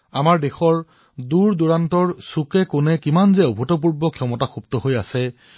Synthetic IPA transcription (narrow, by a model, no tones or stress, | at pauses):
amaɹdexɔɹ | duɹduɹantɔɹsukɛkʊnɛkimanzɛobʱutɔp̬uɹbɔkʰiɔmɔtaxuptɔɦojasɛ